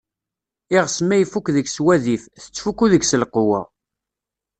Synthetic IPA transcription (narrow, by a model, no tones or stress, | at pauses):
ɪʁsmæjfukðəɡswæðifθə̥t͡sːfukuðəɡsəlqʊwæ̰